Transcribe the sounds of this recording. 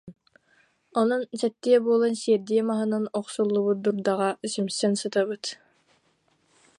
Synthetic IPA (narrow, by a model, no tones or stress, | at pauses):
ɔnunsɛt̪ːiɛbuɔlˠansiɛɾd̪iɛmaɦɯnanɔqsulˠːuβud̪uɾd̪aʁasymsɛnsɯt̪abɯt̪